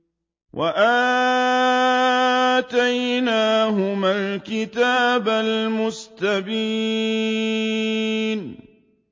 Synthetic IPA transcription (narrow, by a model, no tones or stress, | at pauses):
wʔaʔaː | t̪ajnaːɦʊmalkɪt̪aːbalmʊst̪abiː | n